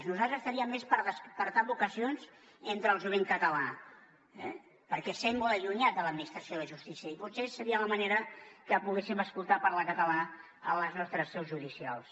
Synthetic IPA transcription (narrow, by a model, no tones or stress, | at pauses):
znuzalt̪ɾzəst̪əɾiəmːespəɾðəspəɾt̪abukəsionz | ent̪ɾəːlˠʒuβeŋkət̪əla | ɛ̰ | pəɾkɛsemːolˠəʎuɲat̪̚d̪ələd̪minist̪ɾəsioðəʒust̪isiəiput̪sesəɾiələməneɾəkəpuɣesiməskulˠt̪apəɾləkət̪əla | ələznɔst̪ɾəsːɛwzʒuðisialˠs